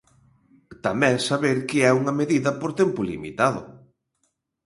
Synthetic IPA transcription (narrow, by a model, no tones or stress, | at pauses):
t̪amɛ̃ŋsaβeɾkɪɛuŋɐmeðiðɐpoɾt̪ɛmpʊlḭmḭt̪aðʊ̰